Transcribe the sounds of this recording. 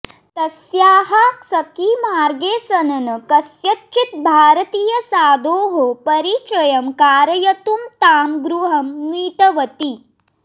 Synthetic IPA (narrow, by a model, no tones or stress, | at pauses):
t̪ɐsjaːɦasɐkimaːɾɡeːsɐnɐnɐkɐsjɐtt͡ʃit̪̚bʱaːɾɐt̪iːjɐsaːd̪oːɦopɐɾit͡ʃɐjɐmkaːɾɐjɐt̪umt̪aːmɡɾuɦɐmːiːt̪ɐʋɐt̪i